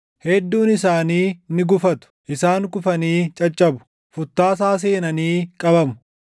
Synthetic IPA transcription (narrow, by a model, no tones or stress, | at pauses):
hɛd̪ːuːnɪsaːniːnɪɡʊfɐt̪ʊ̥ʔɪsaːŋkʊfɐniːt͡ʃʼɐt͡ʃʼːɐbʊ̥ | fʊt̪ːaːs̬aːs̬eːnɐniːkʼɐbɐmʊ̥